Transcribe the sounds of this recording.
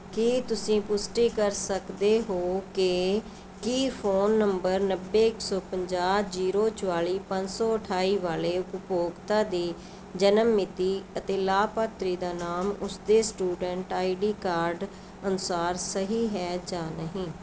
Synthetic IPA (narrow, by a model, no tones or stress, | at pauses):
kiːt̪ʊsĩːpʊsʈiːkəɾsəkd̪eːɦoːkɪ | kiːpʰoːnːəmbəɾnəbːeːɪksɔːpəɲd͡ʒaːd͡ʒiːɾoːt͡ʃəwaːliːpəɲd͡ʒsɔːəʈʰaːiːʋaːleːʊʊpoːɡt̪aːd̪iː | d͡ʒənəmːɪt̪iːət̪eːlaːpat̪ɾiːd̪aːnaːmʊsd̪eːsʈuːɖɛɳʈaːiɖiːkaːɾɖ | ənʊsaːɾsəɦiːɦɛːd͡ʒaːnəɦĩː